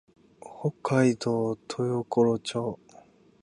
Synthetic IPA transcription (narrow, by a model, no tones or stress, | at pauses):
hokʰːaid̪oːt̪ʰojokoɾot͡ɕoː